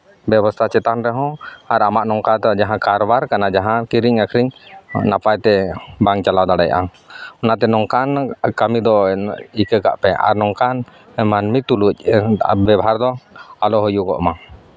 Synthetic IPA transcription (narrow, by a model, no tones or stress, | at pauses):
bɛbɔst̪ʰat͡ʃɛt̪anɾɛɦɔ̃aɾamaʔnɔŋkat̪d͡ʒaɦãkaɾɔbaɾkanad͡ʒaɦãkiɾiɲakʰɾiɲnapajt̪ɛbaŋt͡ʃalawd̪aɽajʔa̰ | ɔnat̪ɛnɔŋkankamid̪ɔikəka̰ʔpɛa̰ɾnɔŋkan | manmit̪uluc̚bɛbɦaɾd̪ɔalɔɦɔjukɔ̰ʔma